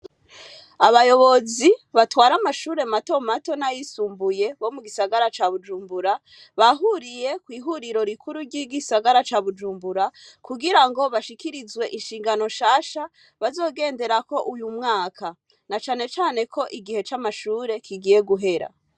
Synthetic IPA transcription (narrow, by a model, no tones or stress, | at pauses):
aβajo̞βo̞ziβatwaːɾamaʃuːɾe̞mato̞mato̞najisuːmbujeβo̞muɡisaɡaɾat͡ʃaβud͡ʒuːmbuɾa | βaɦuɾije̞kwiːɦuɾiɾo̞ɾikʰuɾuɾɟiɡisaɡaɾat͡ʃaːβud͡ʒuːmbuɾakuɡiɾaŋɡo̞βaʃikiɾizwe̞ʔinʃiːŋɡano̞ʃaːʃa | βazo̞ːɡe̞ːnde̞ɾako̞ʔujumŋaːkʰa | nat͡ʃaːne̞t͡ʃaːne̞kʰo̞ʔiɡihe̞t͡ʃamaʃuːɾe̞kiɡije̞ɡuɦe̞ɾa̰